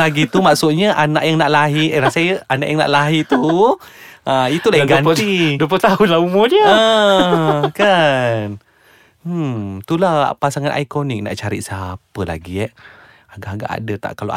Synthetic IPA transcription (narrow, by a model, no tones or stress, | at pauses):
aɡit̪umaʔsʊʔ̪̚ɲəʔanaʔjaŋnaʔlaɦiʔeɾasajəanaʔjaŋna̰ʔlaɦit̪u | ait̪ulaiŋɡanidp̬ət̪ahʊnlaumʊdiəə | kan | t̪ulahpasaŋanʔa̰jkonɪk̚na̰ʔt͡ʃaɾɪ̰ʔsapəla̰ɡiɛʔ | aɡaʔaɡa̰ʔa̰dət̪a̰ʔkalo̰ʔa̰